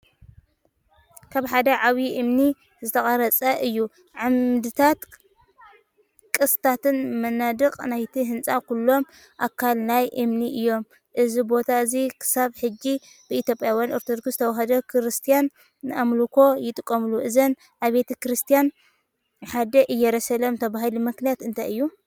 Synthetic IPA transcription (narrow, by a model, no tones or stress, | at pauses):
kʰaβħad̪ɐʕaβiʔɨmni | zɨt̪ʰɐχʼɐɾɐt͡sʼɐʔɨjːu | ʕamd̪ɨt̪ʰat̪ | kʼɨst̪ʰat̪ɨnmɐnːad̪ɨkʼnajt̪ʰiɦɨnt͡sʼakʰulːo̞m | ʔakʰːalnajʔɨmniʔɨjːo̞m | ʔɨzibo̞t̪ʰaɨzikʰɨ̥saβħɨd͡ʒːi | b̥ɨit̪ʲjo̞pʼjawjanoɾt̪ʰod̪oɡst̪ʰɐwɦɐd̪ɐkʰɾɨst̪ʰijanː | ɨamlukʰo̞jɪt̪ʼɨkʼːɐmluʔɨzɐn | ʔaβbe̞t̪ʰɐkɾɨst̪ʰijan | ħad̪ɐʔɨjːɛɾɐsɐlomt̪ʰɐβaɦɨlimɨknijat̪ɨnt̪ʰɐɨjːu